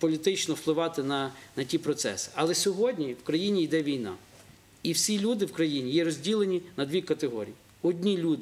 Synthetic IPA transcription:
pɔlʲit̪ɪt͡ʃnɔwplˠɪʋɑt̪ɪnɐnɐtʲipɾɔt̪sɛ̰sɪ̥ɐlˠɛsʲɔɦɔdʲnʲiwkɾɐjinʲijd̪ɛʋʲijnɑ̰ | iwsʲilʲud̪ɪwkɾɐjinʲijɛɾɔzʲdʲilˠenʲinɐd̪ʋʲikɐt̪eɦɔɾʲḭji | ɔdʲnʲilʲud̪ɪ

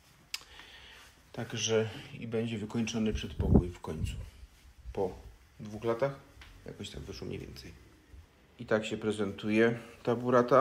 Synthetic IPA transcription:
t̪aɡʐɛḭbɛɲd͡ʑɛvɘkɔɲt͡ʂɔnɘpʂɛt̪pɔkujfkɔɲt̪su̥pɔ | d̪vuxlat̪axja̰kɔɕt̪aɡvɘʂwɔmɲḛvʲjɛ̰nt̪sɛj | it̪akɕɛpɾɛzɛnt̪ujɛt̪abuɾat̪a

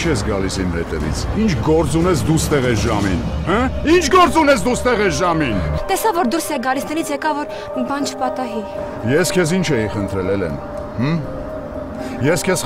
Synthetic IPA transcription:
t͡ʃʰɛsɡɑlisimhɛt̪ɛ̰vḭt͡sʰint͡ʃʰɡɔɾt͡sunɛsd̪ust̪ɛʁɛsʒɑmḭnhɛint͡ʃʰɡɔɾt͡sunɛsd̪ust̪ɛʁɛsʒɑmint̪ɛsɑvɔɾd̪uɾsɛɡɑlisnɛɾit͡sʰjɛkɑvɔɾ | mbɑnt͡ʃʰə̥pɑt̪ɑɦi | jɛskʰɛs̬int͡ʃʰɛiχənt̪ʰɾɛlɛlɛ̰m | h̩ | jɛskʰɛs

